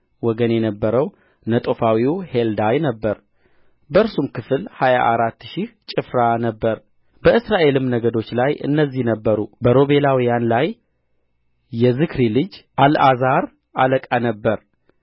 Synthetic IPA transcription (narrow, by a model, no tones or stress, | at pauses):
wɔɡənjɛnəbːəɾəw | nət̪ʼofawiheld̪ajnəbːəɾ | bəɾsumkʰɨfɨlhaja̰ʔaɾat̪ːʃiht͡ʃʼɨfɾanəbːəɾ | b̥əɨsɾaʔe̞lɨmnəɡəd̪o̞t͡ʃːlajʔɨ̰nːəzːihnəbːəɾubəɾo̞βe̞lawijanlaj | ɛzɨkɾilɨd͡ʒʔalʔazaɾ | ʔaləkʼanəbːəɾ